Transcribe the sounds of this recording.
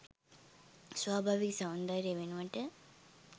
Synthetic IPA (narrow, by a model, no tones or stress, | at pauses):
sʋaːbʱaːʋiksaund̪aɾjeʋenuʋaʈə